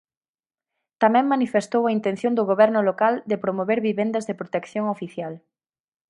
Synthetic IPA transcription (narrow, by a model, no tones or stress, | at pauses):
t̪amɛ̃ŋmanifest̪owaint̪ẽn̟θjõnd̪ʊɣoβɛɾnʊlokald̪epɾomoβeɾβiβend̪ɐzðɪpɾot̪ekθjoŋofiθjal